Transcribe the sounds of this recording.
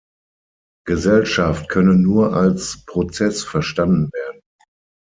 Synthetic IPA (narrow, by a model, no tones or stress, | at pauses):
ɡ̥əzɛlʃaft̚kʰœnənuːɐʔalspʁ̥ot͡sɛsfɛɐʃtandn̩veːɐdn̩